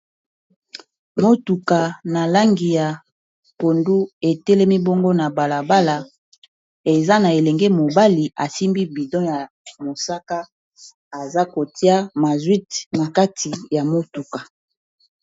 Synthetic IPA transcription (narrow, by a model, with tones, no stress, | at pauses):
mo˦tu˨ka˨na˨la˦ŋɡi˨ja˨ | ko˨ndu˦e˨tɛ˦le˦mi˦bo˦ŋɡo˦na˨ba˨la˨ba˦la˨ | e˨za˦na˨e˨lɛ˨ŋɡɛ˦mo˨ba˦li˨ʔa˨si˦mbi˦bi˨dɔ̃˦ja˨ | mo˨sa˦ka˦ | a˨za˦ko˨ti˦a˦ma˨zwi˦tna˨ka˦tʰi˨ja˨mo˦tu˨ka˨